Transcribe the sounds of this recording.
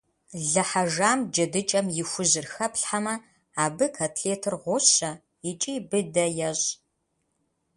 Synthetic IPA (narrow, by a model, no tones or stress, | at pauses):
ɮɐħaʒaːmd͡ʒɐdɨt͡ʃʼɐmjɪxʷʊʑɪrxɐpɬħamɐ | aːbɨkʰaːtʰɬeːtʰɨrʁʷʊɕɐ | ɪt͡ʃʼibɨdɐjɛɕʼ